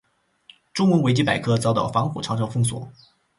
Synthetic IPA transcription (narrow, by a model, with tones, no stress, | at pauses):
ʈ͡ʂʊ˥ŋwʊ˧˥we˧˥ɪt͡ɕi˥pa˨˩ɪkʰɤ˥t͡sɑ˥ʊt̪ɑ̰˥˨˩ʊfɑ˧˥ŋxṵ˨˩ʈ͡ʂʰɑ˧˥ŋʈ͡ʂʰɑ˥ʊfɤ˥˩ŋswɔ̰˨˩˦